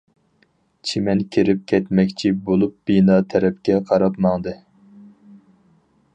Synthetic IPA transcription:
t͡ʃʰimɛnkʲʰeɾɪp̚kʲʰɛt̪mɛkʲt͡ʃʰibolˠup̚b̥inɑːt̪ʰɛɾɛp̚kʲɛqʰɑɾɑpmɑŋd̪ɨ

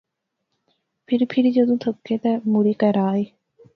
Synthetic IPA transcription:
pʰɪɾpʰɪɾid͡ʒəd̪õːt̪ʰəkːeːt̪ɛːmuɾiːkəɾaːeː

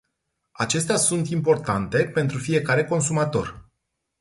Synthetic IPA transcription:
at͡ʃe̞st̪easunt̪impo̞rt̪ant̪e̞pe̞nt̪ɾufije̞kaɾe̞ko̞nsumat̪o̞̰r

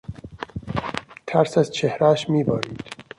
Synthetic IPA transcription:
t̪ʰæɾsæzt͡ʃʰehɾæːʃmiːbɒːɾiːd̪̥

